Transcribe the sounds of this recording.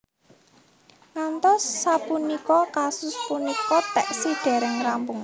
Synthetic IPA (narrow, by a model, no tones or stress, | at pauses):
ŋant̪ɔsːapunikɔkasʊspunikɔt̪ɛʔsiɖ̥ɛ̤ɾɛŋrampʊŋ